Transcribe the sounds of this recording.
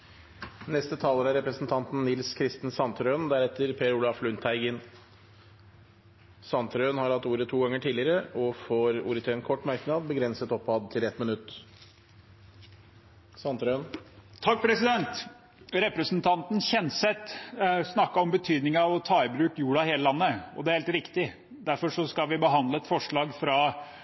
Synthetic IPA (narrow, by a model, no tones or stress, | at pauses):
nɛst̪ət̪ʰɑːləɾæɾɛpɾəsnt̪ʰɑnt̪n̩nːɪlskʰɾɪst̪ən̩sɑnt̪ɾøːnd̪æɾɛt̪ːəɾpʰeːɾuːlɑflʉnt̪ʰæɪɡən | sɑnt̪ɾøːnhɑɾhɑt̪ːuːɾət̪ʰuːɡɑŋːəʈʰiːlɪəɾəʔɔfoːɾṵːɾət̪ʰeənkʰɔʈːmæɾknɑːd̪̚bəɡɾɛnsət̪ɔpːɑd̪t̪ʰɪlɛt̪mənʉt̪ː | sɑnt̪ɾønt̪ʰːɑk̚ːpʰɾɛsɪd̪ɛnt̪ | ɾɛpɾəsnt̪ʰɑnt̪ən̩çɛnsɛt̪ːsnɑkːɑɔmbət̪ʰyːd̪nɪŋəɑʋɔt̪ʰɑːɪbɾʉːkjuːɖɑheːləlɑnːəɔ̰d̪ɛæɾheːlt̪ɾɪkt̪ɪ | d̪æɾfɔʂɔskɑlʋɪbəɦɑnd̪ləɛt̪fɔʂɭɑːɡfɾɑ